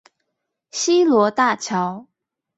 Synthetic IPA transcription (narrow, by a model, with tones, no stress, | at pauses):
ɕi˥lwɔ˧˥t̪a˥˩t͡ɕʰjɑ˨˥˦ʊ